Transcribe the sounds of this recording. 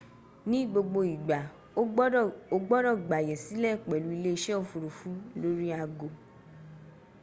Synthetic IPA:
nĩ˦ɡ͡bo˧ɡ͡bo˧i˨ɡ͡ba˨˦ | o˧ɡ͡bɔ˦ɾɔ˦˨ɡ͡ba˨jɛ˨si˨˦lɛ˦˨k͡pɛ˨lu˨˦i˧le˦i˧ʃɛ˦o˧˨fu˨ɾu˨fu˨˦lo˦ɾi˦a˧ɡo˧˨

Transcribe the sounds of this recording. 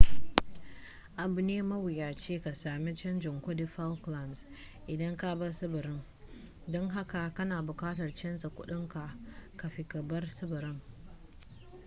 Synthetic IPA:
ʔa˨bʊ˨neː˦mɐ˦wɪ˨jaː˨t͡ʃeː˦ka˨saː˨mi˦t͡ʃɪ˦nd͡ʒɪ˨ŋkʷʊ˦di˨fa˦lkla˨ns | ʔɪ˨dɐ˦ŋka˦ba˦sɪ˦bʊ˨ɾɪ˦ŋ | dɔ˦ŋɦa˦ka˨kɐ˦naː˨bʊ˨kaː˦tɐ˨rt͡ʃɛ˦nsa˨kʷʊ˦ɗɪ˦ŋka˨ka˨ɸi˨kɐ˨bɐ˦rsɪ˦bʊ˨ɾɪ˦ŋ

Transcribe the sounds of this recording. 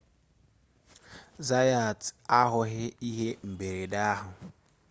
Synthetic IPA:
za˦ja˨ta˦ɦʊ˨ɦɪ˦i˦ɦe˦m̩˨be˨ɾe˨da˦ɦʊ˨

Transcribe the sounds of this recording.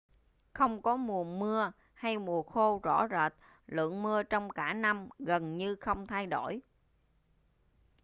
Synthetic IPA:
xə˧wŋ͡mkɔ˨˦mu˨˩ənmɨ˧ə | ha˧jmu˨˩əxo˧zɔ̰˧˩zəː˨˩t̚ | lɨ̰˧˨əŋmɨ˧ət͡ɕɔ˧wŋ͡mkaː˧˩na˧mɣə˨˩nɲɨ˧xə˧wŋ͡mt̪ʰa˧jɗo˧˩j

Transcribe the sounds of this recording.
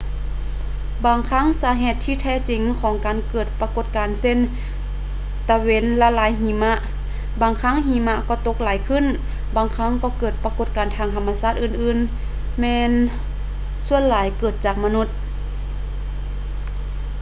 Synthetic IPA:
baː˨˩ŋkʰa˧˥˨ŋsaː˨˧˦ɦeː˧˩t̪ʰːiː˧˩t̪ʰɛː˧˩t͡ɕi˨˦ŋkʰɔː˨˦ŋkaː˨nkɤː˨˩t̪̚pa˧ko˧˩t̪̚kaː˨nse˧˨n | t̪a˧we˧˥nla˧laː˨˦jɦiː˨˦ma˧˥ʔ | baː˨˩ŋkʰa˧˥˨ŋɦiː˧˦ma˧˥ʔkɔː˧˩t̪o˧˥k̚laː˨˦jkʰɯ˧˥˨n | baː˨˩ŋkʰa˧˥˨ŋkɔː˧˦kɤː˨˩t̪̚pa˧ko˧˩t̪̚kaː˨˩nt̪ʰaː˧˩ŋt̪ʰa˧mːa˧saː˧˩t̪̚ʔɯː˧˩nʔɯː˧˨n | mɛː˧n | su˧˨ənlaː˨˦jkɤː˨˩t̪̚t͡ɕaː˨˩k̚ma˧nu˧˩t̪̚

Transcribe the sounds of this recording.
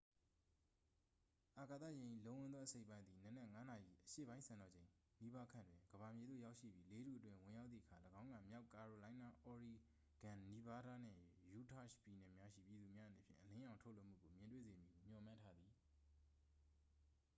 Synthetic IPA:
ʔa˨ka˨t̪ä̰˦˨jɛ̃˨ʔḭ˦˨lõ˨˦wʊ̃˦nðɔ˦ʔəse˦ɪʔpːã˦nd̪i˨nə˨nɛ˦˨ŋa˦na˨jḭ˦˨ʔəʃḛ˦˨bã˦ɪ̃nsʰã˨nɔ˨d͡ʑẽ˨ | ni˦ba˦kʰã̰˦˨ndwɪ̃˨ɡəba˨mje˨d̪ðo̰˦˨ja˦ʊʔʃḭ˦˨bji˦le˦ɾṵ˦˨ʔə˦twɪ̃˦wɪ̃˨ja˦t̪θḭ˦˨ə˦a˨ləɡã˦ʊ̃ŋɡã˨mja˦ʊka˨ɹo˨lã˦ɪ̃na˦ʔɔ˨ɹi˨ | ɡ̥ã˨ni˦ba˦ɾa˦n̥ɛ̰̃˦˨ju˦tʰa˦˨ʃpji˨nɛ˨mja˦ʃḭ˦˨pji˨d̪u˨mja˦ʔəne˨pʰjɪ̰̃˦˨ʔəlɪ̃˦ʔã˨ʊ̃tʰo˦ʔlo˦ʔm̥ṵ˦˨ɡo˨mjɪ̃˨ntwḛ˦˨ze˨mji˦˨m̥jɔ˨mã˦˨tʰa˦d̪ði˨

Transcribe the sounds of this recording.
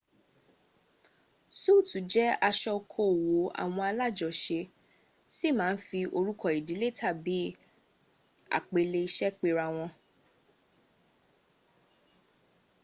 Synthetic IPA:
su˦˨tu˨˦d͡ʒɛ˦a˧ʃɔ˧kʰo˦˨wo˨˦a̰˦˨w̃ɔ̃˧a˧la˦˨d͡ʒɔ˨ʃe˧ | si˦˨mãː˨˦n̩˦fi˧ʔo˧ɾu˦kʰɔ˦˨i˨di˨˦le˦tʰa˦˨bi˨˦ | a̰˨k͡pe˧le˧i˧ʃɛ˦k͡pe˧ɾa˧w̃ɔ̃˧

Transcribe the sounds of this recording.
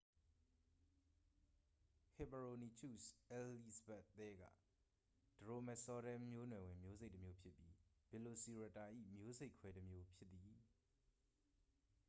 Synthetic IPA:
hɪ˨bə˨ɹo˨ni˨t͡ʃʰṵ˦˨sʔɛ˦li˦zəbɛ˦˨ʔt̪ɛ˦ɡä̰˦˨ | d̥əɹo˨mɛ˨sɔ˦ɾɛ̃˦mjo˦nwɛ˨wɪ̃˨mjo˦ze˦ɪʔtːəmjo˦pʰjɪ˦pːji˦b̥ɛ˨lo˨si˨ɹa˨ta˨ʔḭ˦˨mjo˦ze˦ɪkʰwɛ˦təmjo˦pʰjɪ˦t̪ːi˨

